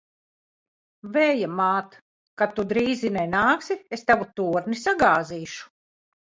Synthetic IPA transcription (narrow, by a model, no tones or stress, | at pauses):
vɛjamaːt̪ | kat̪ːud̪ɾiːzinɛjnaːksiest̪avut̪uːɾnisaɡaːziːʃu̥